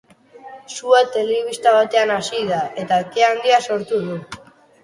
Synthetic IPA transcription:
suat̪e̞leβ̞ist̪aβat̪e̞anasiðaʔe̞t̪aekeand̪iaso̞ɾt̪uðu

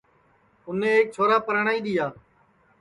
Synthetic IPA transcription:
ʊnẽːeːk̚t͡ʃʰoːɾaːpəɾəɳaːiːɗ̪ɪjaː

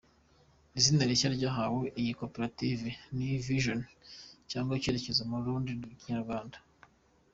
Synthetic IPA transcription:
izinaɾicaɾɟaɦaweʔijikopeɾativiniviʒoncaːŋɡwaiceɾe̞ce̞zamuɾuːndiciɲaɾɡwaːnda

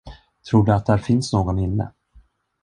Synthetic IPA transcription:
t̪ʰɾuːɖɵat̪̚d̪æɾfɪnsnoːɡɔnɪnːə̰

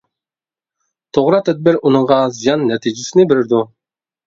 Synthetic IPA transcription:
t̪ʰoʁɾɑt̪ʰɛd̪̚bɪɾunuɴʁɑzijɑnːɛt̪ʰid͡ʒɪsɪnɪbɪɾɪɾd̪u

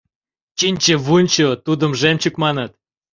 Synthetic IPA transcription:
t͡ɕinʲt͡ɕə̆βunʲt͡ɕot̪ud̪əmʒemʲt͡ɕukmɑnət̪̚

